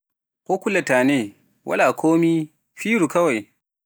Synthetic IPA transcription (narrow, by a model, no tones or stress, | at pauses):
kokulɐtaːne | wʔɐ̰lakʰoːmiː | ɸiːɾukɐwaj